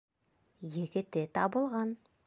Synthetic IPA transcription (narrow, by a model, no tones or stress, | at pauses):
jekʲɪt̪et̪ʰɑbəlˠʁɑn